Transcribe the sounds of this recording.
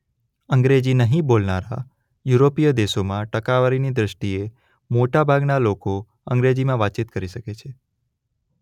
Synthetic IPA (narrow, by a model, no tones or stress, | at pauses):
əŋɡɾed͡ʒinəɦĩbolnaɾa | juɾopijəd̪eʃomãʈəkaʋəɾinid̪ɾəʃʈie | moʈabʱaɡnaloko | ə̃ŋɡɾed͡ʒimãʋatːt͡ʃit̪̚kəɾiʃəket͡ʃʰe